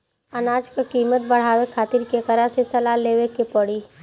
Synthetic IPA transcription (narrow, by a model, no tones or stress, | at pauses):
ɐnaːd͡ʒkakiːmət̪̚bɐɽ̤aːʋekʰaːt̪iɾkekəɾasesɐlaːleːʋekepɐɽiː